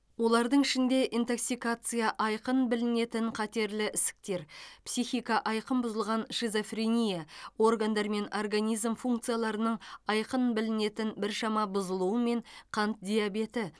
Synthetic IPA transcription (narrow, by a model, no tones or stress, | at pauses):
wo̞lˠɑɾd̪əɴɪʃɪnd̪e̞ʔint̪oksijkat̪sɨjaʔɑjqənbɪlɪne̞t̪ɪɴqʰɑt̪e̞ɾlɪʔɪsɪ̥k̚t̪e̞ɾpsijxʲijkɑʔɑjqəmbʊzəlˠʁɑnʃizo̞frʲenʲijao̞rɡand̪ɑɾme̞norɡanʲijzmfuŋk̚t̪sɨjalˠɑɾənəɴɑjqənbɪlɪne̞t̪ɪnbɪɾʃɑmɑbʊzəlˠuəme̞ɴqʰɑnt̪̚d̪ʲejabe̞t̪ɪ